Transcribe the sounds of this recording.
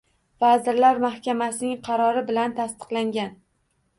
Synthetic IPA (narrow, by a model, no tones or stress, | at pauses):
vazɪɾlaɾmahkʲamasɪnɪŋqʰɑɾɒɾɪbɪlant̪ʰast̪ɨ̥qlˠaŋɡʲan